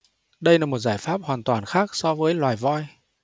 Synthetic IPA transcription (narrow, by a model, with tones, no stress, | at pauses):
ɗə˧jlaː˨˩mo˨˩t̚zaː˧˩jfaː˦˥p̚hwaː˨˩nt̪waː˨˩nxaː˦˥k̚sɔ˧vəː˨˦jlwaː˨˩jvɔ˧j